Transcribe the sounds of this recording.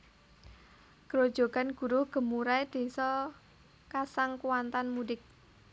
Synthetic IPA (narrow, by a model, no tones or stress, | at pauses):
ɡ̥ɾod̥ʒ̥o̤ɡ̥a̤nɡ̥ṳɾʊhɡ̥ə̤muɾaed̪̥e̤sɔ | kasaŋkuwant̪anmudɪk̚